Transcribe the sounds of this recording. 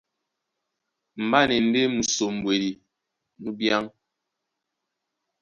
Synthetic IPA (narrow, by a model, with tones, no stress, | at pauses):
m̩˨ba˦ne˨n̩˦de˦mu˨so˨m̩˨bwe˨ɾi˨ | nu˦bja˦ŋ